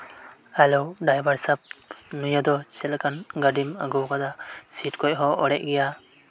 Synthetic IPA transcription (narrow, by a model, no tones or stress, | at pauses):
alɔwɖajbaɾsap̚nujad̪ɔt͡ʃɛlkanɡaɖima̰ɡɔwkad̪asitkɔc̚ɦɔʔɔɽɛʔɡɛja